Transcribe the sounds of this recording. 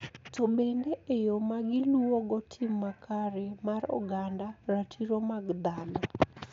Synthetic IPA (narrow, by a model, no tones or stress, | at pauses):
tobendeejomaɡɪluoɡɔtʰɪmːakʰaɾemaɾɔ̰ɡandaratʰiɾomaɡd̪anɔ